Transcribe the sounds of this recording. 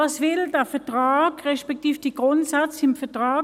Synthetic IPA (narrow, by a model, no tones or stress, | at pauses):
ɑsvɪldəɐfɛɐtʁaːɡʁɛʃpɛk̚tiːfd̥iːɡ̥ʁʊntsat͡sɪmfɛɐtʁɑː